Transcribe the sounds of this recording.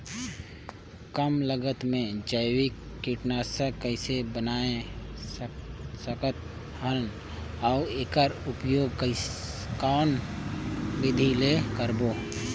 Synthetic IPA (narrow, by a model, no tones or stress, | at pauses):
kəmləɡət̪mẽd͡ʒəjwɪkːɪʈnasəkəɪsebənaːẽ | səkət̪ | hən | aʊeːkəɾʊpjoːɡk | kaːn | ʋɪd̪ʱilekəɾboː